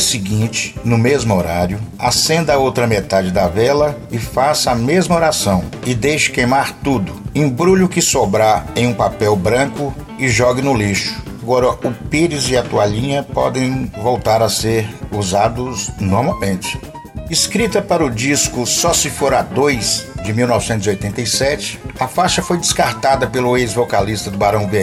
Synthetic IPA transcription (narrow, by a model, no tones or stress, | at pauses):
sɪɡĩt͡ʃɪ̥nʊmezmʊoɾaɾjʊasẽnd̪ɐowt̪ɾɐmet̪ad͡ʒɪd̪ɐvɛlɐ | ɪfasɐmezmɐoɾasɐ̃w̃ɪd̪ejʃɪ̥kejmaɾt̪ud̪ʊẽbɾuʎʊkɪsobɾaẽj̃ũpapɛwbɾɐ̃kʊ | ɪʒɔɡɪnʊliʃʊ̥aɡɔɾɐʔʊpeɾɪzɪɐt̪uaʎĩɲɐpɔ̰d̪ẽj̃vowt̪aɾɐseɾuzad̪ʊznoɾmawmẽnt͡ʃɪ̥ | ɪskɾit̪ɐpaɾʊd͡ʒiskʊsɔsɪfoɾad̪ojzd͡ʒɪmiwnɔvɪsẽnt̪ʊziojt̪ẽnt̪ejsɛt͡ʃɪ̥ɐfaʃɐfojd͡ʒɪskaɾt̪ad̪ɐpelʊejzvokalist̪ɐd̪ʊbaɾɐ̃w̃beɛ